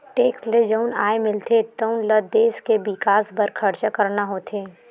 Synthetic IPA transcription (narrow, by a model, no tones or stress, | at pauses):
ʈeːksled͡ʒəʊnaːemɪlt̪ʰet̪əʊnləd̪eːskebɪkaːsbəɾkʰɐɾt͡ʃakəɾnaɦoːt̪ʰeː